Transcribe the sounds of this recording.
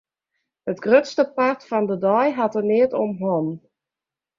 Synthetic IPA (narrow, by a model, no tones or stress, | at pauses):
hətɡ̥røtstəpartfɔndədɔjɦatərnɪətɔmɦɔn